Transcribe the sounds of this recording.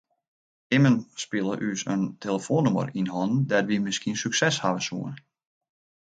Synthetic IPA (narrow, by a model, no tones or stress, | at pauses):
ɪmənspɪlˠəʔysə̰ntʰeləfoːnumə̰rinhɔnn̩dɛtʋimɪskiənsyksɛshaʋəsṵən